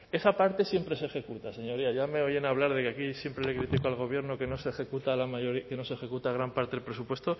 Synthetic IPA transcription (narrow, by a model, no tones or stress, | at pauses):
e̞sapaɾt̪e̞sje̞mpɾe̞sexe̞kut̪ase̞ɲo̞ɾiaʝame̞oje̞naβ̞laɾð̞e̞keakisje̞mpɾe̞le̞kɾit̪ikoalɣ̞o̞βje̞ɾno̞ke̞no̞sexe̞kut̪alamaʝoɾike̞no̞sexe̞kut̪aɣ̞ɾampaɾt̪e̞ðelpɾe̞supwe̞st̪o